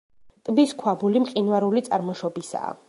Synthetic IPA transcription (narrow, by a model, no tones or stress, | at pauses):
t̪ʼbiskʰwabulimqʼinwaɾulit̪sʼaɾmɔʃɔbisa̰ː